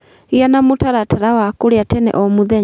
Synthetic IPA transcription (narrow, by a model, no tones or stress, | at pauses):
ianamotaɾataɾawakoɾeatɛnɛ̰ʔɔmuðɛ